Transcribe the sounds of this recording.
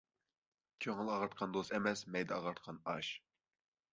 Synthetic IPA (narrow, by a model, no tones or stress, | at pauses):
kʲʰøŋɪlˠɑʁɑɾt̪̚qʰɑnd̪osɛmɛsmɛjd̪ɛɑʁɑɾt̪qʰɑnɑʃ